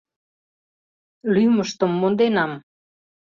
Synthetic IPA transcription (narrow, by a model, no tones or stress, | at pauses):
lyməʃt̪əmːond̪enɑm